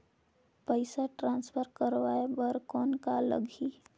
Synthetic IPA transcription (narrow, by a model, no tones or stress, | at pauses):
pəɪsaʈɾãnspʰəɾkəɾʋaebəɾkɔnkalə̰ɡʱi